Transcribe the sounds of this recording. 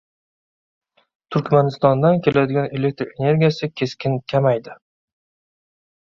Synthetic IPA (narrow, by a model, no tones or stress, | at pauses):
t̪ʰʊɾkʲmanɪst̪ɒnd̪ankʲʰe̞lad̪ɪɡʲane̞le̞k̚ʲt̪ɾe̞ne̞ɾɡʲijasɪkʲʰe̞skʲɪnkʲʰamajd̪ɪ